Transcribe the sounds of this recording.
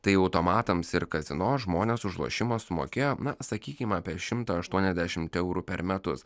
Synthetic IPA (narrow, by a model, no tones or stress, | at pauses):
t̪ɐɪɐʊt̪oːmɑːt̪ɐmsɪɾkɐzʲɪnoːsʒmoːnʲeːsʊʒlˠṵɔʃʲɪmɐssʊmo̰ːkʲeːjoːnɐsɐkʲiːkʲɪmɑːpʲiɛʃʲɪmt̪ɐɐʃt̪uɔnʲɛzʲd̪ʲæʃʲɪmt̪ɛʊɾuːpʲɛɾmʲɛt̪ʊs